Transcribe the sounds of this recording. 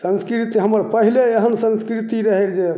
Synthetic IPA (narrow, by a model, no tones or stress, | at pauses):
sə̃nskɾit̪iɦəməɾpəɦileeɦənsə̃nskɾit̪iɾəɦeɾd͡ʒe